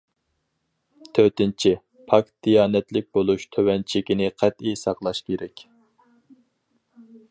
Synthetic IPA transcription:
t̪ʰøt̪ɪnt͡ʃʰi | pʰɑk̚t̪̚d̪̥ijɑːnɛt̪lɪk̚ʲbolˠuʃt̪ʰøwɛnt͡ʃʰɪkʲinɪqʰæt̪isɑqlˠɑʃkʲʰeɾɛkʲ

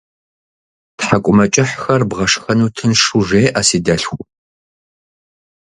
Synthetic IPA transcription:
tħakʷʼʊmɐt͡ʃʼɪħxɐrbʁɐʂxɐnuːtʰɨnʂuʐeːʔasiːdɐɬxʷʊ

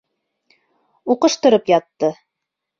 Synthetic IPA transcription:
uqɤ̆ʃt̪ɤ̆ɾɤpjɑt̪ːɤ

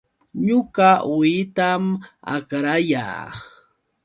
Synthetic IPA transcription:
ɲʊɢaʊɪt̪ama̰kɾaja̰ː

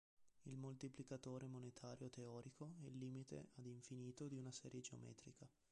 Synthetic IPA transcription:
ilmolt̪iplikat̪oːɾemonet̪ʰaːɾjot̪eɔːɾikʰoɛlːiːmit̪ḛad̪iɱfiniːt̪od̪iunasɛ̰ːɾjed͡ʒeo̰mɛ̰ːt̪ɾika

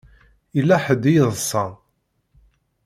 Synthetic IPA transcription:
ilːæħəd̪ijəðˤsˤɑ

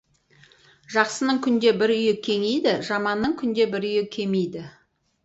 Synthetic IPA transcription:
ʒɑqsənəɴkʲʰʏnd̪e̞bɪɾʏjɪkʲʰe̞ŋejd̪ɪʒɑmɑnːəɴkʲʰʏnd̪e̞bɪɾʏjɪkʲʰe̞mejd̪ɪ

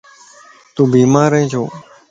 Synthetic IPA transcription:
t̪ũːbiːmaːɾẽːt͡ʃʰoː

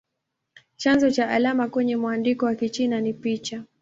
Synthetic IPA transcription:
t͡ʃanzɔt͡ʃaʔalamakwɛɲɛmwandikɔwakit͡ʃinanipit͡ʃa

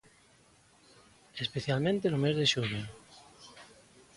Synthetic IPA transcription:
espeθjalmẽnt̪enomezðeʃuβe

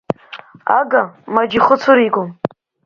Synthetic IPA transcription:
a̰ɡamad͡ʒiχʊt͡sʰuɾiɡʷom

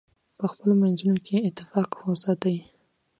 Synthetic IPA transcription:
pəxpəlomanzunokʰeɪt̪ːɪfɑqhosɑt̪awi

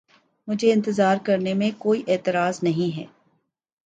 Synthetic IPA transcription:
mʊd͡ʒʱeɪ̃nt̪ɪzaːɾkɐɾnemẽkoːiʔeːt̪ɪɾaːznɐɦĩɦɛ̰ː

